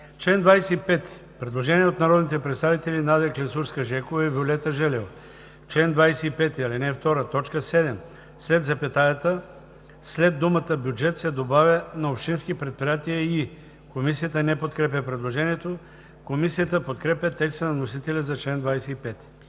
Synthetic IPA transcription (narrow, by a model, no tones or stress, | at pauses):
t͡ʃlɛnd̪vajsɛipɛt̪ | pɾɛd̪lˠoʒɛniɛot̪nɐɾɔd̪nit̪ɛpɾɛt̪st̪avit̪ɛlinad̪ɛklʲɛsuɾskəʒɛkovɐibʲolʲɛt̪əʒɛlɛv | t͡ʃlɛnd̪vajsɛipɛt̪iɐlinɛft̪ɔɾət̪ɔt͡ʃkəsɛd̪ɛm | slɛd̪zɐpɛt̪ajɛt̪ə | slɛd̪ːumət̪əbjud͡ʒɛt̪sɛd̪obavʲjɐnɐopʃt̪insk̟ipɾɛt̪̚pɾijat̪iəi | komisijət̪ənɛpot̪kɾɛp̬ʲəpɾɛd̪lˠoʒɛniɛt̪o | komisijət̪əpot̪kɾɛpʲjɐt̪ɛkst̪ənɐnosit̪ɛlʲɐzɐt͡ʃlɛnd̪vajsɛipɛt̪